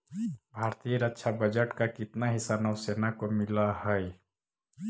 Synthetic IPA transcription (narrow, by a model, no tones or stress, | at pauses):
bʱaːɾt̪ijəɾətːʃʰabəd͡ʒəʈkakɪt̪naɦɪsanəwseːnakomɪlaɦɛj